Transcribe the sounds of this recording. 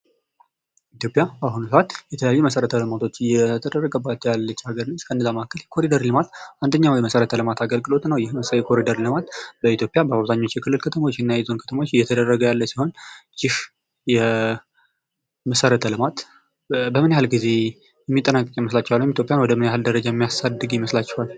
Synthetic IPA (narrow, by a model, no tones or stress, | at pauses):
ʔit̪ʰjo̞pʼjabaɦunusəʔat̪jɛt̪ʰələjajːuməsəɾət̪ʰəlɨmat̪ʰo̞t͡ʃːɨjɛt̪ʰəd̪ərːəɡəbːat̪jalːət͡ʃːhaɡəɾnɨskʰəɨnːəzamakʰːəljɛkʰo̞ɾid̪əɾlɨmat̪ʔand̪əɲːawjɛməsəɾət̪ʰəlɨmat̪ʰaɡəlɡɨlo̞t̪nəwjɪhjɛkʰo̞ɾid̪əɾlɨmat̪bəit̪jo̞pʼjabəaβzaɲːo̞t͡ʃːjɛkʰɨlːɨlkʰət̪ʰəmaot͡ʃːɛnːajajzo̞nkʰə̥t̪ʰəmot͡ʃːɨjːɛt̪ʰəd̪ərːəɡəjalːəsiho̞nd͡ʒɪʃ | jɛ | məsəɾət̪ʰəlɨmat̪ | bəmɨnjahalɡize̞ | jɛmːit̪ʼːənakʼɨkʼjiməslat͡ʃːɛwalːɨmit̪ʰjo̞pʼjanwɔd̪əmɨnjaɦald̪əɾəd͡ʒajɛmːijasad̪ːɨɡjɪməslat͡ʃːɛhal